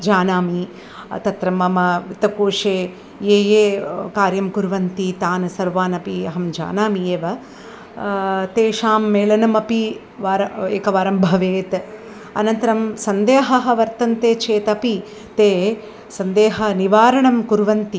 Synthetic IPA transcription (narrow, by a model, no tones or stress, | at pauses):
d͡ʒaːnaːmi | t̪ɐt̪ɾɐmɐmɐʋit̪ɐkuːʂeː | jeːjeːkaːɾjɐmkuɾʋɐnt̪it̪aːnɐsɐɾʋaːnɐpiɐɦɐmd͡ʒa̰ːnaːmijeːʋɐ | t̪eːʃaːmːeːlɐnɐmɐpi | ʋaːɾɐḛːkɐʋaːɾɐmbʱɐʋeːt̪ | ɐ̰nɐnt̪ɐɾɐmsɐnd̪eːɦɐɦɐ̆ʋɐɾt̪ɐnt̪eːt͡ʃʰeːt̪ɐpi | t̪eː | sɐnd̪eːɦɐniʋaːɾɐɳɐmkuɾʋɐnt̪i